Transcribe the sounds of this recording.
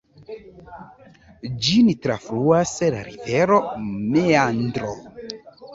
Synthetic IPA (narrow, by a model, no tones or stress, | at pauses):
d͡ʒinitɾafɾuasla̰ɾiveɾomeandɾo